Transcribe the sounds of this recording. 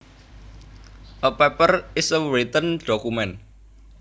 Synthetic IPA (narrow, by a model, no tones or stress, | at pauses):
ʔəpɛpərɪsəɾit̪ənɖ̥ɔkumɛn